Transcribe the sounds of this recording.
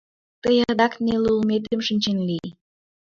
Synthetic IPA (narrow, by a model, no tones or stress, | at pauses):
t̪əjd̪ɑknelulmet̪̬emʃənʲt͡ɕenli